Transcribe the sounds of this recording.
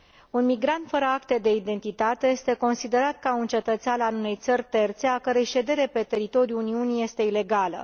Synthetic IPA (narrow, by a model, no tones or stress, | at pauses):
unmiɡɾant̪fəɾəakt̪e̞d̪e̞id̪e̞nt̪it̪at̪eje̞st̪e̞ko̞nsid̪e̞ɾat̪kaunt͡ʃe̞t̪ət̪sʲananune̞jt̪sərʲt̪e̞rt̪se̞akəɾejʃe̞d̪e̞ɾe̞pe̞t̪e̞ɾit̪o̞ɾjuːniunije̞st̪e̞ile̞ɡalə̰